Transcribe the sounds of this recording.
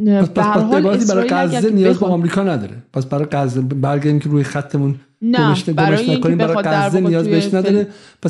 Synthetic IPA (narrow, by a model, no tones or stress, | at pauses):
pʰæspæspæsebɒːɾæt̪ʰiːbæɾɒːjɡæzːenijɒːzbɒːmɾiːkʰɒːnæd̪ɒ̰ːɾepʰæsbæɾɒːjɡæzebæɾɡæɾimcʰeɾuːjexæt̪ʰːe̞mun | ɡoneʃɡomeʃnæmkoniːmbæɾɒjeɡæzːenijɒːzbeheʃnæd̪ɒːɾe | pʰæs